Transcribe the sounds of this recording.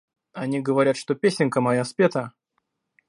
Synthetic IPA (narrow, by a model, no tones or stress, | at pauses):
ɐnʲiɡəvɐɾʲat̪ʂt̪opʲesʲɪnʲkəmɐjaspʲet̪ə